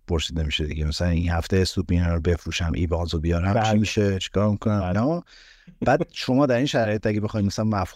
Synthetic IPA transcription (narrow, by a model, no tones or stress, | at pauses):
pʰoɾsiːd̪e̞miʃed̪iɟemæsælæninhæft̪ejesupʰinæɾɾobe̞fɾuːʃæmʔḭːbɒːzobijɒɾæmmiʃet͡ʃʰi̥kʰɒːɾmikʰonæmnɒ | b̥æːd̪̥ʃo̞mɒːd̪æɾinʃæɾɒːjet̪æɡʲebexɒːjinmæsælænvæf